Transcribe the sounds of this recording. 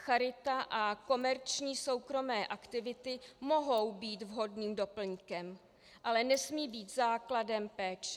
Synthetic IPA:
xaɾɪt̪aʔako̞mɛɾt͡ʃɲiːso̞wkɾo̞mɛːʔakt̪ɪvɪt̪ɪmo̞ɦo̞wbiːt̪vɦo̞dniːmdo̞pl̩ɲkɛm | ʔalɛnɛsmiːbiːt̪zaːkladɛmpɛːt͡ʃ

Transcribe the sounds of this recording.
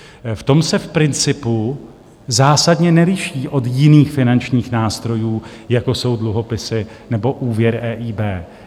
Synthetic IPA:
ft̪o̞msɛfpɾɪnt͡sɪpu | zaːsadɲɛnɛɾɪʃiːʔo̞t̪jɪniːxfɪnant͡ʃɲiːxnaːst̪ɾo̞juː | jako̞so̞wdluɦo̞pɪsɪnɛbo̞ʔuːvjɛɾɛːʔiːbɛː

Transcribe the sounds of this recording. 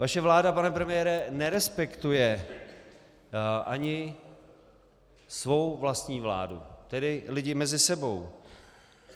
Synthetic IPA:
vaʃɛvlaːdapanɛpɾɛmɪjɛːɾɛnɛɾɛspɛkt̪ujɛ | ʔaɲɪ | svo̞wvlast̪ɲiːvla̰ːdṵt̪ɛdɪlɪɟɪmɛzɪsɛbo̞w

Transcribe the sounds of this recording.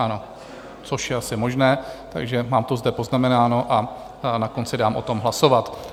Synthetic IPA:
ʔano̞ | t͡so̞ʃjɛasɪmo̞ʒnɛːt̪a̰ɡʒɛmaːmt̪ozdɛpo̞znamɛnaːno̞ʔa | nako̞nt͡sɪdaːmʔo̞t̪o̞mɦlaso̞vat̪

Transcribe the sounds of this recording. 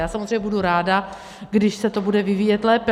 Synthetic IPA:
jaːsamozɾejɲɛbuduɾaːda | ɡdɪʃsɛt̪o̞budɛvɪviːjɛt̪lɛːpɛ

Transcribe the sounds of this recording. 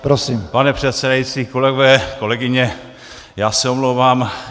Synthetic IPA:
pɾosiːmpanɛpr̥ɛt̪sɛdajit͡siːko̞lɛɡovɛːko̞lɛɡɪɲɛ | jaːsɛomlowvaːm

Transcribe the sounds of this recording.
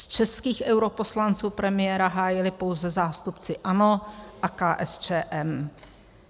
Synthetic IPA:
st͡ʃɛskiːxʔɛwɾo̞po̞slant͡suːpɾɛmɪjɛːɾaɦaːjɪlɪpo̞wzɛzaːst̪upt͡sɪʔano̞ʔakaːʔɛst͡ʃɛːʔɛm

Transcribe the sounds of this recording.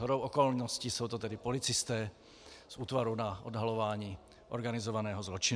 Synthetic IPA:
ɦoɾowʔɔkolnɔscisowt̪ot̪ɛdɪpolɪt͡sɪst̪ɛː | suːt̪vaɾunaʔodɦalovaːɲiː | ʔo̰ɾɡanɪzovanɛːɦɔzlot͡ʃɪ

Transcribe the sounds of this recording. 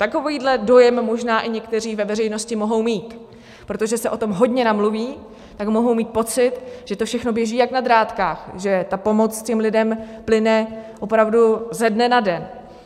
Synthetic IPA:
t̪ako̞viːdlɛdo̞jɛmːoʒnaːʔɪɲɛkt̪ɛr̝iːvɛvɛrɛjno̞scɪmo̞ɦo̞wmiːt̪ | pɾo̞t̪oʒɛsɛʔo̞t̪o̞mɦo̞dɲɛnamluviː | t̪akmo̞ɦo̞wmiːt̪̚po̞t͡sɪt̪ʒ̥ɛt̪ofʃɛxno̞bjɛʒiːjaknad̪ɾaːt̪kaːxʒɛt̪apo̞mo̞t͡scɛmlɪdɛmplɪnɛʔopɾavduzɛdnɛnadɛn

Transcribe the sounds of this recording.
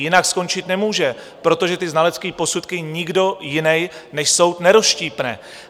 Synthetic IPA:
jɪnaksko̞nt͡ʃɪt̪nɛmuːʒɛ | pɾo̞t̪o̞ʒɛt̪ɪznalɛt͡skiːpo̞sut̪kɪɲɪɡdo̞jɪnɛjnɛʃso̞w̪nɛɾosʃciːpnɛ̰ː

